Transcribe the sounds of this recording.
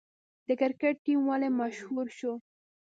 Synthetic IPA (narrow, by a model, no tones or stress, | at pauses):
d̪̥əkɪɾkeʈ̚ʈimwalemaʃhuɾʃo